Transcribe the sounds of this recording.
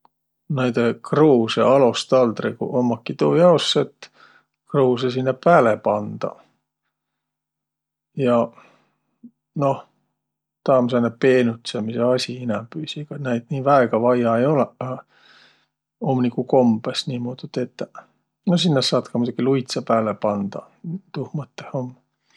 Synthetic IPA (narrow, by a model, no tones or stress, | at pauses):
næjd̪ekroːsḛɑlost̪ɑld̪rɾikṵʔomːɑkːit̪uːjɑosːet̪ː | kroːs̬esinːɑpæːlepɑnd̪̥ɑ̰ | jɑ | no̞h | t̪ɑːmsenːepe̞ːnut̪semiseɑsʲiinæmpyːsiɡ̥ɑnæjd̪̥niːvæeɡ̥ɑvɑjɑejo̞lɛ | omnikuko̞mb̥esniːmoːd̪ud̪̥et̪ː | nos̬inːesːɑːd̪kɑmud̪ɑɡ̥ilujt̪sepæːlepɑnd̪̥ɑ̰ | t̪uhmɤt̪ːehomː